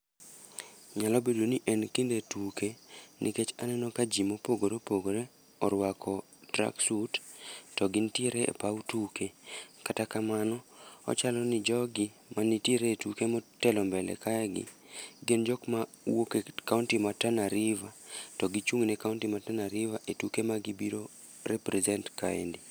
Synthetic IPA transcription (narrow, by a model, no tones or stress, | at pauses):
ɲalɔbedoniʔɛnkindetukenʔḭket͡ʃanɛnɔkad͡ʒimopoɡoɾopoɡoɾe | ɔɾwakʰɔ | dɾa̰ksuttɔɡɪntieɾeḛpawutukekatakamanɔɔ̰t͡ʃalɔnɪd͡ʒɔɡɪ | manitieɾeːtukemɔtɛlɔmbɛlɛ̰kaɛɡɪ̰ | ɡend͡ʒɔkma | wokekauntimatanaɾivatɔɡit͡ʃuŋnɛkauntimatanaɾivaʔetukemaɡibiɾo | ɾɛpɾɛzɛntka̰ɛ̰ndi